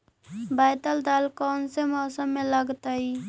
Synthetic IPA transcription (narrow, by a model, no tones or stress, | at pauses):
bajt̪əld̪alkɔːnsemɔsəmːeləɡt̪ai